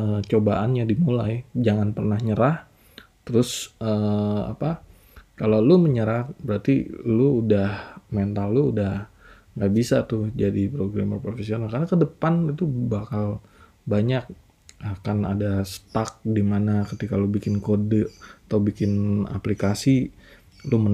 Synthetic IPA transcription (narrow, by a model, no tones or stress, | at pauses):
ət͡ʃobaʔanɲadimulajd͡ʒaŋanpərnahɲəɾah | t̪əɾʊsəa̰pa | kalawluməɲəɾahbəɾart̪iluudahment̪alːuːdah | ŋɡaʔbisat̪ʊhd͡ʒadipɾoɡɾamə̰pɾofesionalkarnakədəpanit̪ubakal | baɲak̚ | ahkana̰dasə̥t̪ak̚dimanakət̪ikalubikɪnkodəat̪awbikɪna̰plikasi | lumə